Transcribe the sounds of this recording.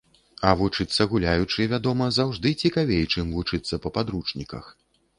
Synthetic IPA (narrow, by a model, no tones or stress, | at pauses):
ɐvut͡ʂɨt̪sːɐɣulʲajut͡ʂɨvʲad̪ɔmɐzawʐd̪ɨt͡sʲikavʲejt͡ʂɨmvut͡ʂɨt̪sːɐpɐpad̪ɾut͡ʂnʲikɐ̰x